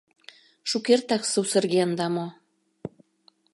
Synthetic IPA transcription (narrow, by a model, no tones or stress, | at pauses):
ʃukert̪ɑksusə̆rɣeənd̪ɑmo